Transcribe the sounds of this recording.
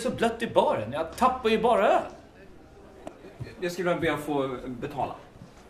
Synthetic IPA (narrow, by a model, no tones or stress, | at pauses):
sɔblœt̪ːɪbɑːɾənjɑt̪ʰapːajʏbɑːɾa | jaskavɛɾabeːafoːbɛt̪ʰɑ̰ːla̰